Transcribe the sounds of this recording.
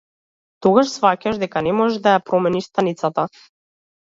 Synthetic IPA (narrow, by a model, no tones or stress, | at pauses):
t̪ɔɡaʃsfacaʒd̪ɛkanɛmɔʒɛd̪ajapɾɔmɛniʃst̪anit̪sat̪a